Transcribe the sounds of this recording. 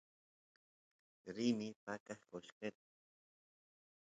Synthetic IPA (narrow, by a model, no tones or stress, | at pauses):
ɾinipakaχkoʎqet̪̚